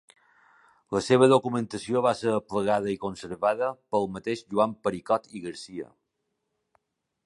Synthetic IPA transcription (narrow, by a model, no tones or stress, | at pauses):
ləseβ̞əðokumənt̪əsioβasəɾəpləɣað̞əikonsəɾβaðəpəlˠmət̪eʃʒuampəɾikɔt̪iɣəɾsiə̰